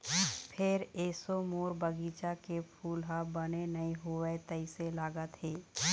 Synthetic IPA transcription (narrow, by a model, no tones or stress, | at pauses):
pʰɪɾeːsomoːɾbəɡiːt͡ʃakepʰuːlɦabənenɐiɦʊʋet̪əɪselaːɡət̪ɦeː